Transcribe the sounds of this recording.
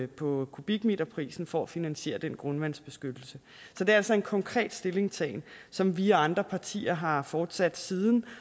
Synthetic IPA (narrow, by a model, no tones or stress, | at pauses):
pʰɒ̽kʰub̥iɡ̥mid̥ɐpʰʁḭːsn̩fɒæfinænɕe̝̰ːɐd̥enɡ̥ʁɔ̽nʋæn̰sb̥e̝sɡ̥ød̥l̩sə | sɒd̥e̝ɐælsɒ̽e̝nkʰɒ̽ŋkʰʁɛ̰ːd̥sd̥e̝le̝ŋst͡sʰɛ̰ːnsɒ̽mʋiɑ̈nd̥ʁɐpʰɑ̈t͡sʰḭːɐɦɑ̈fɒːd̥sæd̥siːðˠn̩